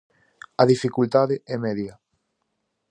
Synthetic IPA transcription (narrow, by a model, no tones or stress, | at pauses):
ɐðifikult̪aðɪʔɛmɛðjɐ